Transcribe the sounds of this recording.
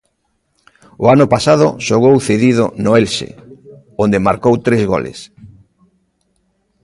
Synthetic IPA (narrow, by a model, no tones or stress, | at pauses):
ʊanʊpasaðʊ̰ʃoɣ̞owθeðiðʊ̰nʊelʃḛ | ond̪emaɾkowt̪ɾezɣo̰lḛs